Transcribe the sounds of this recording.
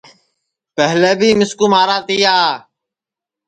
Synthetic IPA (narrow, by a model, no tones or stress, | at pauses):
pɛɦleːbʱiːmɪskuːmaːɾaːt̪ɪjaː